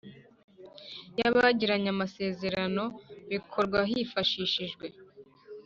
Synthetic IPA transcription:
jaβaɟiɾaɲamase̞ːze̞ɾano̞βikʰo̞ɾɡwaɦifaʃiːʃiʒɡwe̞

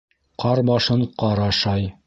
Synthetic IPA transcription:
qʰɑɾbɑʃɤɴqɑɾɑʃɑj

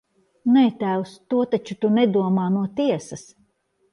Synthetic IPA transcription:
nɛt̪æwst̪uɔt̪at͡ʃut̪unɛd̪uɔmaːnuɔt̪iɛsɐs

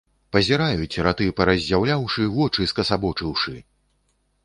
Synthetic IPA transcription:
pɐzʲɛɾajut͡sʲɾat̪ɨpɐɾɐzʲːawlʲawʂɨvɔt͡ʂɨskɐsabɔt͡ʂɨwʂɨ

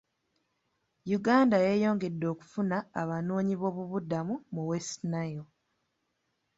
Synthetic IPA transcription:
juɡaːndajeːjo̞ːŋɡe̞dːo̞ːku̥funaːβanoːɲiβo̞ːβuβudamumuwe̞snajo

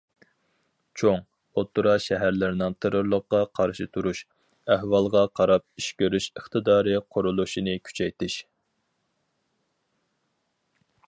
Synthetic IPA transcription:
t͡ʃʰoŋ | ot̪ʰːuɾɑʃɛɦæɾlɪɾɪnɨŋt̪ʰeɾoɾlˠəqːɑqʰɑɾʃɨt̪ʰuɾuʃ | æhwɑlˠʁɑqʰɑɾɑp̚iʃkʲøɾyʃəχt̪ɨd̪ɑːɾɨqʰʊɾulˠuʃinɨkʲʰy̥t͡ʃʰɛjt̪ɪʃ

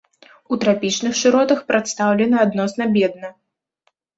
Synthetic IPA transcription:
ut̪ɾapʲit͡ʂnɨxʂɨɾɔt̪ɐxpɾat̪st̪awlʲɛnɐad̪nɔsnɐbʲɛd̪̚nɐ

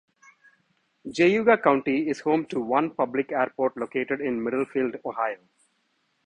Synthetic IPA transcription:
d͡ʒeːjuːɡakãʊ̃ɳʈiɪz̥hõːmʈuʋʌ̃npʌblɪkeːɾpoːɾʈloːkeːʈeɖɪ̃nmɪɖəlfiːlɖoːhaɪoː

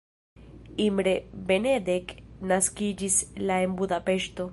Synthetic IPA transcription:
imɾe̞be̞ned̪e̞knaskid͡ʒislae̞nbud̪ape̞ʃto̞

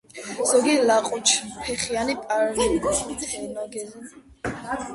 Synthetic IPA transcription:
z̥ɔɡilaqʼut͡ʃʰpʰɛχianipʼaɾlit̪ʰhɛmaɡɛzɛ

